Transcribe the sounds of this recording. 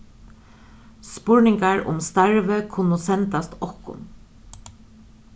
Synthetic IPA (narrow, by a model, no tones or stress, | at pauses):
spʊɹnɪŋkaɹʊ̰mst̪aɹʋəkʰʊnʊsɛnt̪ast̪ɔhkʊ̰n